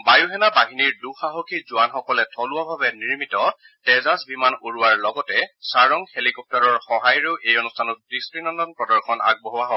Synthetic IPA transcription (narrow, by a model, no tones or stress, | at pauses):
bajuɦɛnabaɦiniɹduxaɦokʰizʊanxɔkɔlɛtʰɔlʊabʱabɛniɹmitɔ | tɛzasbimanoɹuaɹlɔɡɔtɛsaɹɔŋhelikɔp̚tɔɹɔɹxɔɦajɹeʊʔejɔnustʰanɔt̚bɹistɹinɔndɔnpɹɔdɔɹkʰɔna̰ɡ̚bɔɦɔaɦɔ